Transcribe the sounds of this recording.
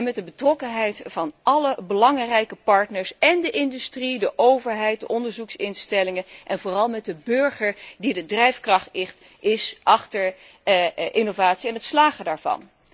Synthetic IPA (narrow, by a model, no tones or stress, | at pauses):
mɛt̚dəbətrɔkənɦɛjtfɑnʔɑləbəlɑŋrɛjkəpɑɹtnəɹsɛndəʔɪndystridəʔowvəɹɦɛjt̚dəʔɔndəɹzuksɪnstɛlɪŋənʔɛnvoːrɑlˠmɛt̚dəbɵɹχəɹdidədrɛjfkrɑχtɪχt | ʔɪsʔɑχtəɹ | ʔɪnovaːtsiɛnɦətslaːχədaːɹvɑ̰n